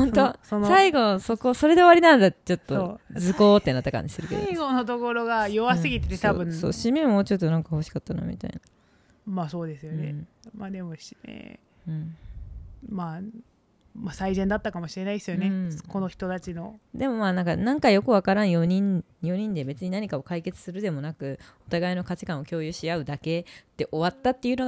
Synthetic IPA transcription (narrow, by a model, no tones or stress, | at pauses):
hõ̞nt̪ossaiɡo̞so̞ko̞so̞ɾe̞d̪e̞βaɾʲinãnd̪at̪t͡ɕo̞t̪ːod͡zɨko̞ːt̪ːe̞nat̪ːakã̰ɲ̟d͡ʑi̥sɨɾɯ̟ked̪̰iɡonot̪o̞ko̞ɾo̞ɡajoβasɨɡʲit̪e̞t̪et̪a̰bɯ̟̃so̞̰ːɕimẽmoːt͡ɕo̞t̪ːo̞nãŋkaho̞ɕi̥kat̪ːana̰mʲḭt̪a̰ḭna | maːso̞ːd̪e̞sɨjonḛmaːd̪e̞moɕnḛ | ɯ̟̃ɴ | maː | masaizẽnd̪at̪ːakamo̞ɕiɾe̞naid̪esɨjoneskonoçi̥t̪o̞t̪at͡ɕino̞d̪e̞mo̞maːnãŋkanãŋkajo̞kɯ̟βakaɾãɰ̃joɲ̟ĩnjo̞ɲ̟ĩnd̪e̞be̞t͡sɨɲ̟inaɲ̟ikao̞kaike̞t͡sɨ̥sɨɾɯ̟d̪e̞mo̞nakɯ̟o̞t̪aɡaino̞kat͡ɕi̥kãɰ̃okʲo̞ːjɯ̟ɕiaɯ̟d̪ake̞t̪ːe̞ʔo̞βat̪ːat̪ːe̞jɯ̟no